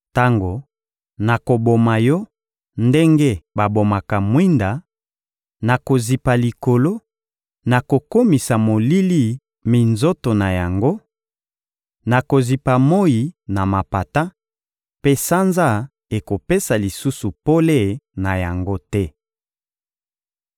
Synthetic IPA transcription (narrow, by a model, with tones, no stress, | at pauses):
ta˦ŋɡo˨ | na˨ko˨bo˨ma˨jɔ˦ | nde˦ŋɡe˦ba˨bo˨ma˨ka˨mwi˦nda˨ | na˨ko˨zi˨pa˨li˨ko˨lo˦ | na˨ko˨ko˦mi˨sa˨mo˨li˦li˦ | mi˨nzo˦to˨na˨ja˨ŋɡo˦ | na˨ko˨zi˨pa˨mo˦ji˨na˨ma˨pa˨ta˦ | pe˦sa˦nza˦ | e˨ko˨pe˦sa˨li˨su˦su˨po˦le˦˨na˨ja˨ŋɡo˦tɛ˦